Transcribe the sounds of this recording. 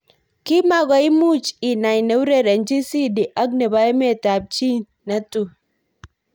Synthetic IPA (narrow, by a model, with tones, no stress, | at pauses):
ki˦ma˨ɡʷa˨jmu˦t͡ʃi˨na˨jne˦wɾe˦˨ɾa˨nd͡ʒi˦si˦di˨ʔa˦ɡ̚ne˨ba˦jme˦˨ta˨b̚t͡ʃi˦ | na˦tʼu˦˨